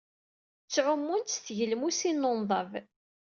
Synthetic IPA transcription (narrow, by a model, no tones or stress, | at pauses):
t͡sːʕʊmːunt̪sθʝəlmusinːonðˤɑv